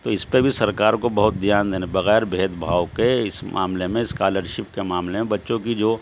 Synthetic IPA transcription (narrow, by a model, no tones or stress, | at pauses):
t̪oːɪspebʱisɐɾkaːɾkobɐɦʊt̪̚d̪ijaːnd̪eːnebɐɣɛːɾbʱeːd̪bʱaːwkeɪsma̰ːmlemẽɪskaːləɾʃɪpkemaːmlemẽbɐtːʃõk̬id͡ʒoː